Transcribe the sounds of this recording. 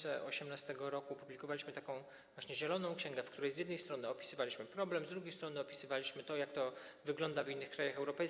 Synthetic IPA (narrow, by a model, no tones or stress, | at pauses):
ɛɔ̰ɕɛmnast̪ɛɡɔɾɔkupublʲikɔvalʲiɕmɘt̪akɔ̃w̃ | vwaɕɲɛʑɛlɔnɔ̃w̃kɕɛ̃ŋɡɛfkt̪uɾɛjzʲjɛd̪nɛjst̪ɾɔnɘɔpʲi̥sɘvalʲiɕmɘpɾɔblɛmzd̪ɾuɡʲejst̪ɾɔnɘɔpʲi̥sɘvalʲiɕmɘt̪ɔjakt̪ɔvɘɡlɔnd̪avinːɘxkɾajaxɛwɾɔpɛjs